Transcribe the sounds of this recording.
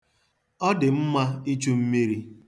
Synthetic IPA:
ɔ˦dɪ˨m̩˦ma˦i˦t͡ʃu˦m̩˦mi˦ɾi˦

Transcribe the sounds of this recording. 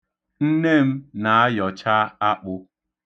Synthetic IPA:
n̩˦ne˦˨m̩˦na˨a˦jɔ˨t͡ʃa˦a˦k͡pʊ˦

